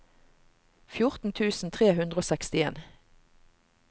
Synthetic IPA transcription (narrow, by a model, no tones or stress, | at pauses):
fjʊʁt̪n̩t̪ʰʉːsn̩t̪ʰʁeːɦʉnd̪ʁəoːsɛkst̪ɪḛːn